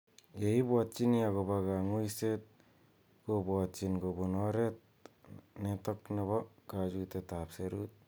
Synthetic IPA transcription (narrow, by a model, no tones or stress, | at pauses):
jejbat̚t͡ʃiniaɡɔbaɡaŋujset̪̚ | ɡobɔatt͡ʃinɡobunɔɾet̪̚ | netɔknaβaɡad͡ʒutetapseɾut̪̚